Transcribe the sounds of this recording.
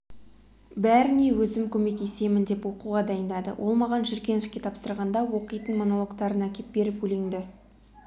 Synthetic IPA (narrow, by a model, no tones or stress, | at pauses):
bæɾɪne̞wɵzɪmkʲʰɵme̞k̚t̪e̞se̞mɪnd̪e̞pwo̞quʁɑd̪ɑjənd̪ɑd̪ə̰wʔo̞̰lˠmɑʁɑnʒɪɾkʲe̞nefkʲe̞t̪ʰɑpsəɾʁɑnd̪ɑwo̞qijt̪ənmo̞no̞lˠo̞kt̪ɑɾənækʲe̞p̚be̞ɾɪpɵleŋd̪ɪ